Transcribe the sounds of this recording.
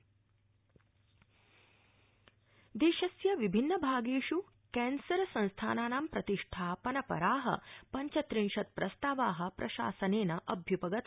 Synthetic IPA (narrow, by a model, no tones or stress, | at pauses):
d̪eːʃɐsjɐʋibʱinːɐbʱaːɡeːʃu | kɛːnsɐɾɐsɐ̃nst̪ʰa̰ːnaːnaːmpɾɐt̪iʂʈʰaːpɐnɐpɐ̰ɾaːɦɐ̰pɐɲt͡ʃɐt̪ɾinʃɐt̪̚pɾɐst̪aːʋaːɦɐ̆pɾʔɐʃa̰ːsɐneːnɐʔɐbʱjupɐɡɐt̪